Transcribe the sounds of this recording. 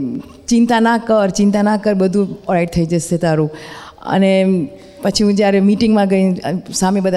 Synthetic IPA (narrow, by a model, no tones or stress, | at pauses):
t͡ʃɪnt̪anakəɾt͡ʃint̪ãnakəɾbəd̪ʱũɔɾaiɖ̚t̪ʰəid͡ʒəʃet̪aɾũə̰ne | pət͡ʃʰiɦũd͡ʒjaɾemiʈiŋɡmãɡəĩsamẽbəd̪ʱa